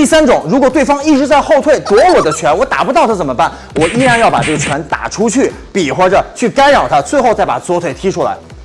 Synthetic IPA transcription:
t̪i˥˩sa˥nʈ͡ʂʊ˨˩˦ŋɻu˧˥kwɔ˨˩t̪we˥˩ɪfɑ˥ŋi˥˩ʈ͡ʂɻ̩˧˥t͡sa˥˧ɪxo˥˧ʊt̪ʰwe˥˩ɪt̪wɔ˧˥wɔ˨˩d̪ə˦t͡ɕʰɥɛ˧˥nwɔ˧˥t̪a̰˨˩pu˧˥t̪ɑ˥˩ʊt̪ʰa˥˩t͡sə˨˩mə˦pa˥˩n | wɔ˨˩i˥ja˥˧njɑ˥˩ʊpa˨˩ʈ͡ʂɤ˥˩ɡə˩t͡ɕʰɥɛ˧˥nt̪a̰˨˩ʈ͡ʂʰu˥t͡ɕʰy˥˩ | pi˨˩xwɔ˧˥ʈ͡ʂə˧˦t͡ɕʰy˥˩ka˥ɪɻɑ˨˩ʊt̪ʰa˥t͡swe˥˧ɪxo˥˧ʊt͡sa˥˩ɪpa̰˨˩t͡swɔ˧˥t̪ʰwe˨˩ɪt̪ʰi˥ʈ͡ʂʰu˥la̰˧˥ɪ

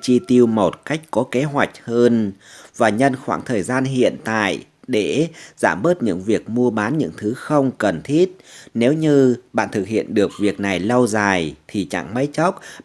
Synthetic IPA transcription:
t͡ɕi˧t̪i˧əwmo˨˩t̚ka˦˥jk̟̚kɔ˨˦ke˨˦ɦwa˨˩jk̟̚həː˧nvaː˨˩ɲə˧nxwaː˧˩ŋt̪ʰəː˨˩jzaː˧nɦḭ˧˨ənt̪a̰ː˧˨j | ɗe˧˩z̥aː˧˩mɓəː˦˥t̚ɲɨ̰˧˥ŋvi˨˩ək̚mu˧əɓaː˨˦nɲɨ̰˧˥ŋt̪ʰɨ˨˦xə˧wŋ͡mkə˨˩nt̪ʰi˦˥t̚ne˨˦wɲɨ˧ɓa̰ː˧˨nt̪ʰɨ˨˩k̚hḭ˧˨ənɗɨ˨˩ək̚vi˨˩ək̚na˨˩jlɔ˧wzaː˨˩jt̪ʰi˨˩t͡ɕa̰˧˩ŋma̰˨˦jt͡ɕɔ˦˥wk͡p̚

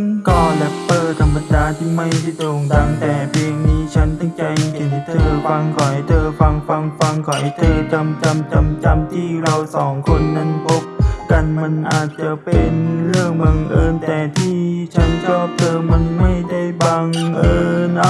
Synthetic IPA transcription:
nkɔː˧lɛ˦˥ppɤː˧˩t̪ʰa˧mːa˧daː˧t̪ʰiː˧˩ma˥˩jsa˧˩t̪oː˨˩ŋta˧˩ŋt̪ɛː˨˩pʰeː˧ŋniː˦˥t͡ɕʰa˦˥nt̪ɔ˥˩ŋt͡ɕa˧jkʰe˨˩˦nt̪ʰɤː˧fa˧ŋkʰɔ˨˩˦jt̪ʰɤː˧fa˧ŋfa˧ŋfa˧ŋkʰɔ˨˩˦jt̪ʰɤː˧ka˧mt͡ɕa˧mt͡ɕa˧mt͡ɕa˧mt̪ʰiː˥˩ɾa˧wsɔː˩˦ŋkʰo˧nːa˧˥npʰo˦˥p̚ka˧nma˧˥nʔaː˨˩t̪̚t͡ɕa˨˩pe˧nɾɯ˥˩əŋba˧ŋʔɤː˧nt̪ɛː˨˩t̪ʰiː˥˩t͡ɕʰa˦˥nt͡ɕʰɔː˥˩p̚t̪ʰɤː˧ma˧nma˥˩jda˥˩jba˧ŋʔɤː˧n˧˥

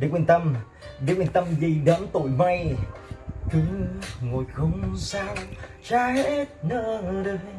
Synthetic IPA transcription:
ɗe˨˦kwe˧˩˨nt̪ə˧m | ɗe˨˦kwe˧˩˨nt̪ə˧mvi˨˩ɗə˨˦mt̪o˧˩jma˧j | kɨ˨˦ŋo˨˩jxə˧wŋ͡msaː˧wt͡ɕaː˧he˧˥t̚nəː˧˩ɗe˧˦

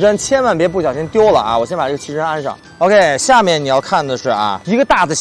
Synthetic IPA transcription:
ʈ͡ʂə˥nt͡ɕʰjɛ˥nwa˥˩np̬jɛ˧˥p̬u˥˩ɕjɑ˨˩ʊɕi˥ŋt̪jo˥ʊlə̰˨a̰˧wɔ˨˩ɕjɛ˥npa˨˩ʈ͡ʂə˥˩ə˩t͡ɕʰi˥˩ʈ͡ʂə˥na˥nʂɑ̰˥˩˦ŋ | o˥˧ʊkʰe˥˩ɪɕja˥˧mjɛ˥˩ni˨˩jɑ˥˧ʊkʰa˥˩nd̪ə˩ʂɻ̩˥˩ʔɐ̰˧i˧˥ɡə˧t̪a˥˩d̪ə˩

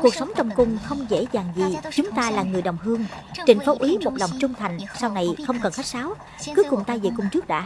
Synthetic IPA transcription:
ku˨˩ək̚sa˨˦wŋ͡mt͡ɕɔ˨˩wŋ͡mkʊ˧˩ŋ͡mxə˧wŋ͡mzḛ˧˥zaː˨˩ŋzi˨˩t͡ɕʊ˨˦ŋ͡mt̪aː˧laː˨˩ŋɨ˨˩əjɗə˨˩wŋ͡mɦɨ˧əŋt͡ɕï˨˩ŋ̟fo˨˦ʔi˨˦mo˨˩t̚lɔ˨˩wŋ͡mt͡ɕʊ˧ŋ͡mt̪ʰa˨˩jŋ̟sa˧wna˨˩jxə˧wŋ͡mkə˨˩nxa˦˥jk̚saː˨˦w | kɨ˨˦kʊ˨˩ŋ͡mt̪aː˧jzḛ˨˩kʊ˧ŋ͡mt͡ɕɨ˦˥k̚ɗa̰ː˧˥

